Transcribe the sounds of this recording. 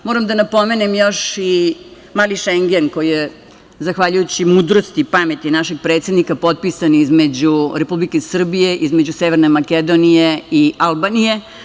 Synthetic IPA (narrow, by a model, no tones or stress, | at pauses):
moːɾamd̪anapo̞menemjo̞ʃi | maːliʃeŋɡenkojije | zaxʋaʎujut͡ɕimuːd̪ɾo̞st̪ipamet̪inaʃe̞ɡ̚pɾet̪sʲe̞d̪nikapo̞t̪̚pisanizme̞d͡ʑuɾepublikesr̩bije̞ʔizmed͡ʑuseʋeɾnemaked̪onije̞ialbanije̞